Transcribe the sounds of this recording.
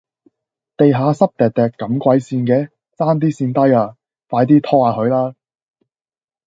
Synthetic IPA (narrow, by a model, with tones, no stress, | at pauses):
t̪e˨jɦaː˨˧sɐ˥p̚t̪ɛː˨˩k̚t̪ɛː˨kkːɐ˨˧˥mkʷɐ˧jsiː˧nkɛː˧ | t͡saː˥nt̪̬iː˥siː˧nt̪ɐ˥jaː˧ | faː˨˧jt̪̬iː˥t̪ʰɔː˥aː˨˥hɵ˨˧ɥlaː˥